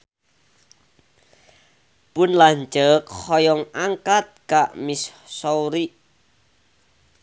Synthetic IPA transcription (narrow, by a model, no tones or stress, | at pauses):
pʊnlaɲt͡ʃəkhɔjɔŋaŋkat̪̚kaʔmissɔwɾiʔ